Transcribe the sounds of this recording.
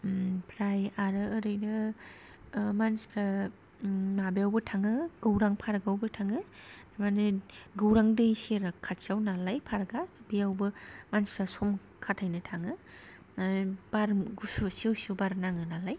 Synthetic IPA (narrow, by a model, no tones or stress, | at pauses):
pʰɾajaɾɯːɾɯjnɯ | manspʰɾa | mabijawbɯtʰaŋɯɡ̥ɯwɾaŋpʰaɾɡawbɯtʰaŋɯ | manɯɡɯwɾaŋdɯjseɾakʰːatsiawnalajpʰaɾɡabijawbɯmanspʰɾasɔm | kʰatʰajnɯtʰaŋɯ | b̥aɾɡususiwsubaɾnaŋɯnalaj